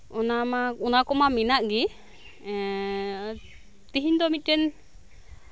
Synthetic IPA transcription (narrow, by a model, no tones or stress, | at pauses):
ɔnamaunakɔmaminaʔɡi | t̪iɦiɲd̪ɔmit̪̚ɾɛn